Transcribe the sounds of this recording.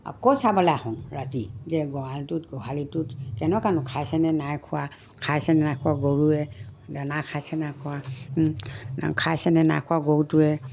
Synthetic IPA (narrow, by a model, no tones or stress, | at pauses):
a̰kɔsabalahɔnɹatizɛɡɔaltutɡɔɦalitutkɛnɔkanɔkʰajsɛnɛnajkʰʊwa | kʰajsɛnɛnajkʰuaɡoɹuɛdanakʰajsɛnakʰuwa | kʰajsɛnɛna̰jkʰuaɡoɹutuɛ